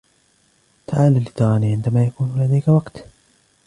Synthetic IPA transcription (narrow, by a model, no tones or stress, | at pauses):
t̪aʕaːlalːit̪ɑˤɑːniʕɪnd̪amaːjakuːnlad̪ajkawɑqt̪